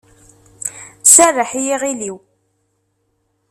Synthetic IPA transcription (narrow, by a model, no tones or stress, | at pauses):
særəħijiʁiliw